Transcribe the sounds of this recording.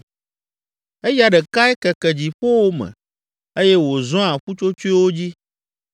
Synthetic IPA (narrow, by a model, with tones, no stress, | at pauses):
e˦ja˦ɖɛ˨ka˦ɛ˦kɛ˨kɛ˨d͡ʑi˨ɸo˦wo˦mɛ̰̃˨ | e˦jɛ˦wo˨zɔ̃˦a˨ɸu˦t͡ʃo˦t͡ʃo˦i˦wo˦d͡ʑi˦